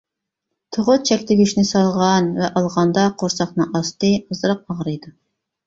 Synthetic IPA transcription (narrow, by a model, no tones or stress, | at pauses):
t̪ʰoʁʊt̪̚t͡ʃʰɛkʲt̪ʰɪɡʲyʃnɪsɑlˠʁɑnvɛʔɑlˠʁɑnd̪ɑqʰoɾsɑχnɨŋʔɑst̪ɨɑzɨɾəq̚ɑʁɾɨjd̪u